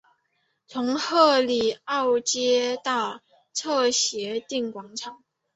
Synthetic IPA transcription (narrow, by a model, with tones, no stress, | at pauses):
t͡sʰʊ˧˥ŋxɤ˥˧li˨˩ɑ˥˩ʊt͡ɕjɛ˥t̪ɑ˥˧ʊ | t͡sʰɤ˥˩ɕjɛ˧˥t̪i˥˩ŋkwɑ˧˥ŋʈ͡ʂʰɑ˨˩˦ŋ